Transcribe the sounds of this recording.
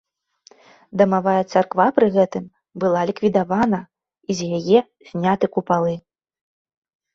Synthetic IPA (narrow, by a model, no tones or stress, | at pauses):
d̪ɐmavajɐt̪sarkvapɾɨɣɛt̪ɨm | bɨlˠalʲikvʲid̪avanɐ | izʲjajɛ | zʲnʲat̪ɨkupalˠɨ